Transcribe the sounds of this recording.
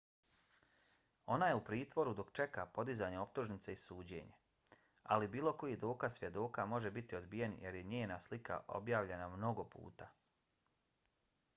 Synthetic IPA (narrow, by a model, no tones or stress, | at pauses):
o̞najeupɾiːt̪ʋo̞ɾud̪o̞kt͡ʃe̞kapo̞d̪izaːɲeo̞p̚t̪uʒnit̪seisuːd͡ʑe̞̰ːɲe̞ | a̰libiːlo̞ko̞jiɦd̪o̞ːkasʋje̞d̪o̞ːkamo̞ʒe̞bit̪io̞d̪bije̞njeɾjeɲeːnaslika̰ʔo̞̰bjaːʋʎe̞namno̞ɡo̞pṵːt̪a